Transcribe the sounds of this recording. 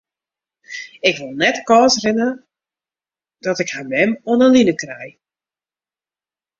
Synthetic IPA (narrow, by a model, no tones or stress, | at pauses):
ɪkʋolˠnɛtkɔːsrɪnə | d̥ɔtɪkhamɛmɔnəlinəkrɛj